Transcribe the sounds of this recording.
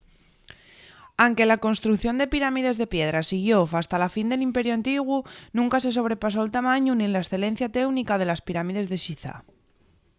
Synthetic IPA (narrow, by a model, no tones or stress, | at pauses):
aŋke̞lako̞nst̪ɾukθjo̞nd̪e̞piɾamið̞e̞zðe̞pje̞ð̞ɾasiɣ̞jo̞fast̪alafind̪e̞limpe̞ɾjuant̪iɣ̞wunũŋkas̬e̞s̬o̞β̞ɾe̞pas̬o̞elt̪amãɲunienlaesθe̞le̞n̟θjat̪e̞wnikaðe̞laspiɾamið̞e̞zðe̞ʃiθa̰